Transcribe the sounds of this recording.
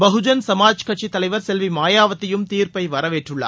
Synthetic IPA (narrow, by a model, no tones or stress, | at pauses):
bɐɦʊd͡ʒɐnsɐmaːd͡ʒkɐʈ̚t͡ʃit̪ɐlɐɪʋɐɾsɛlʋimaːjaːʋɐt̪ːɪjɯmt̪iːɾpɐɪʋɐɾɐʋeːʈrɯɭːɐ̰